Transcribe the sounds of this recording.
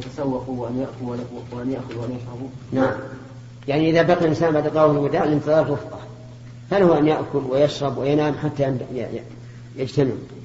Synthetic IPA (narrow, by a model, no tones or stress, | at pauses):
jat̪asawːɑquwʔanjaʔkʊlwaawʔanjaʔxʊðwʔanjaʃɾɑbu | naʕam | jaʕniʔɪðabaqilʔɪnsaːnbaʕd̪qɑːwhɪlwʊd̪aːɪlɪnt̪ɨðˤɑːɾˤlwʊfqɑ | falahuʔanjaʔkʊlwɪjaʃɾˤɑbwɪjanaːmħat̪ːaj | jad͡ʒt̪anɪb